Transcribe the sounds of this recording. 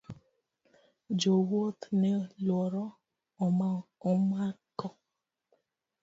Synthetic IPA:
d͡ʒowot̪nɛlwɔɾɔ | ɔmaɔmakɔ

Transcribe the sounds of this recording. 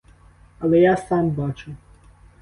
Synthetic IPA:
ɐlˠɛjasambat͡ʃʊ

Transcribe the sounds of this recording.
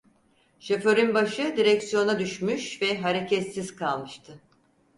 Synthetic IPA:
ʃefø̞ɾynbaʃɯd̪iɾɛcsjo̞nad̪yʃmyʃvɛɦaɾecʰɛt̪sizkʰalˠmɯʃt̪ʰɯ

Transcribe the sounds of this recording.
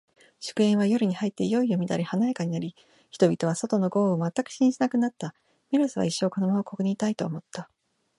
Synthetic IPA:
ɕɨ̥kɯ̟ẽɰ̃β̞ajo̞ɾɯ̟ɲ̟ihait̪ːe̞ijo̞ijomʲid̪aɾʲihanajekaɲ̟inaɾʲi | çi̥t̪o̞bʲit̪o̞β̞aso̞t̪o̞no̞ɡo̞ːomat̪ːakɯ̟̥ɕĩɲʑinakɯ̟nat̪ːa | mʲiɾɯsɨβa̰iɕːo̞ːkod̪omaoko̞kɯ̟ɲ̟it̪ait̪o̞ːmo̞t̪ːa

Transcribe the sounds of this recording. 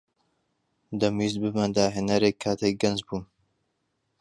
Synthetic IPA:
d̪ɐmiːz̚bɨmɐnd̪aːɦenɐɾekʰːaːt̪ʰek̚ɡɐnzbuːn

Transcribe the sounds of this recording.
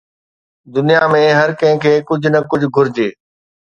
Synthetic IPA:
d̪ʊnijamẽɦɐɾkɐ̃ɦɪ̃kʰeːkʊd͡ʑʱʊnɐkʊd͡ʑʱʊɡʱʊɾd͡ʑeː

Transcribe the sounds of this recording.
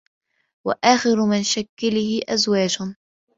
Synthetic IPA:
wa̰ʔaːxɪɾʊmɪnʃakːalɪhɪʔazwaːd͡ʒʊ

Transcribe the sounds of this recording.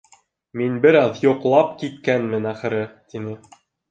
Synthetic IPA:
minbɘ̆ɾɑðjŏqlˠɑp̚kit̪̚kænmɘ̆næχɘ̆ɾɘt̪inɘ

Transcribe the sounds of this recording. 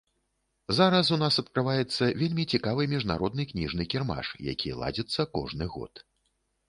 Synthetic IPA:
zaɾɐsunasɐt̪̚kɾɨvajɛt̪sːɐvʲelʲmʲit͡sʲikavɨmʲiʐna̰ɾɔd̪nɨknʲiʐnɨkʲirma̰ʂja̰kʲijlˠa̰d͡zʲɛt̪sːɐkɔ̰ʐnɨɣɔ̰t̪

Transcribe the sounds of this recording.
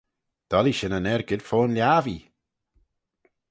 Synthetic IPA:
d̪̥ɔliʃənənɛɹɡɪd̥foːnljaːvi

